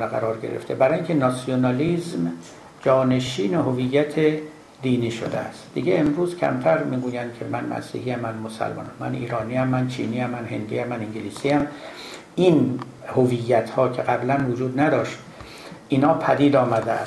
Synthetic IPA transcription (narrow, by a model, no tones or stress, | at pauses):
æɣæ̰ɾɒːɾɟeɾeft̪ʰebæɾɒːjiŋcʲʰenɒsijonɑlizm | d͡ʒɒːne̞ʃiːnehovijːæt̪ʰe | d̪iːniːʃo̰d̪ḛæ̰st̪d̪iɡeemɾuːzcʰæ̰mt̪ʰæɾmiːɡuːjænd̪̥̚kʰe̞mænmʔæ̰sḭːhiæmːænmosæ̰lmɒ̰ːnæmːæ̰nʔḭːɾɒːniːæmːænt͡ʃʰḭːniːæmːænhe̞nd̪iːæmːæniŋɟeliːsiːæm | ʔin | hovijːæt̪ʰhɒːcʰeɣæblænvod͡ʒuːd̪næd̪ɒːʃt̪ | ʔiːnhɒːpʰæd̪iːd̪ɒːmæd̪eæ̰